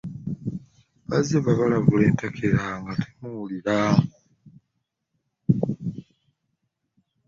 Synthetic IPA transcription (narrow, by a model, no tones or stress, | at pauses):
βazeβaβalaβule̞ːntakʰeɾaŋɡatʰemuuliɾau